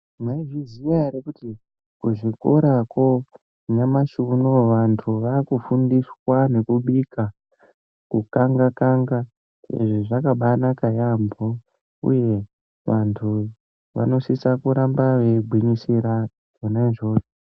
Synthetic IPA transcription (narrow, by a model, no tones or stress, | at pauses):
mwaiʐizijaɾekuti | kuʐikoɾako | ɲamaʃunoʋantʰuʋakufundiswane̞kuɓika | kukaŋɡakaŋɡa | sḛʐiʐakaɓanakajambo | ṵje̞ | ʋantʰu | ʋa̰no̞sisakuɾambaʋeɡʱwiɲisiɾa | onaʐoːre